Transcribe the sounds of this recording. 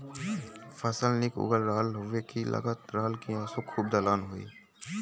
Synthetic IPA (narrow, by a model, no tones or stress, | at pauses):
fʰəsəlnɪkʊ̰ɡəlɾəɦəlɦoʋekilʔɐ̰ɡət̪ɾəɦəlkiaːsõkʰuːb̚d̪alaːnɦoḭː